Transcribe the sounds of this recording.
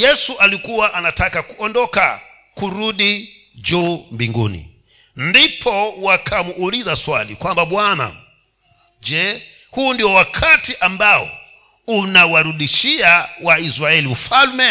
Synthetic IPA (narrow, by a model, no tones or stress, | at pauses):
jɛsuʔalikuwaʔanatʰakakuɔndɔka̰ | kuɾuɗi | d͡ʒumbiŋɡṵːnḭ | ndipʰɔwakʰamuʔːlizaswa̰lḭkwambaɓwana̰ | d͡ʒɛ | huːndiwɔwakʰatiʔambawɔ̰ | unawaɾuɗiʃiawaizɾaɛlim̩ufalmɛ